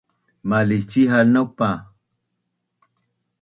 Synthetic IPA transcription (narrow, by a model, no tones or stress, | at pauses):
malit͡ʃiɦanopa